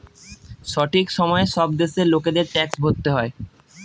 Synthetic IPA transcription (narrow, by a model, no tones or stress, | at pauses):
ʃɔʈʰikʃɔmɔeʃɔb̚d̪eʃeɾloked̪eɾʈɛksbʱot̪ːeɦɔe